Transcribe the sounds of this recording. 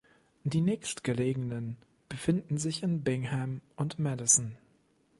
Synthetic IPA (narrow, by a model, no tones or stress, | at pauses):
d̥iːnɛːçstɡ̥əleːɡŋ̩nən | b̥əfɪndn̩zɪçɪnbɪŋhɛmʊntmɛdɪsn̩